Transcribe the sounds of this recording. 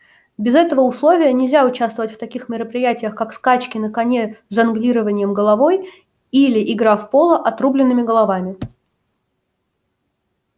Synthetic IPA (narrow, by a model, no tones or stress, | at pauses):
bʲɪzɛt̪əvəʊslˠo̞vʲɪjənʲɪlʲzʲaʊt͡ɕast̪vəvətʲft̪ɐkʲixmʲɪɾəpɾʲɪjætʲɪjəxkakskat͡ɕkʲɪnəkɐnʲezɐnɡlʲiɾəvənʲɪjəmɡəlˠɐvo̞j | ilʲɪʔɪɡɾafpo̞lˠəʔɐt̪ɾublʲɪnːɨmʲɪɡəlˠɐvamʲɪ